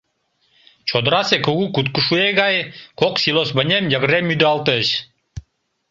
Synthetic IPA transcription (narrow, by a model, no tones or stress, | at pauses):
t͡ʃʰod̪ɾɑsekuɡukut̪kuʃueɡɑjkoksʲilˠosbənʲemjaɡɾemyd̪ɑlˠt̪əɕ